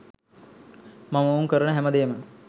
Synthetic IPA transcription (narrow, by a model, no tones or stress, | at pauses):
maməouŋkəɾənəɦæməd̪eːmə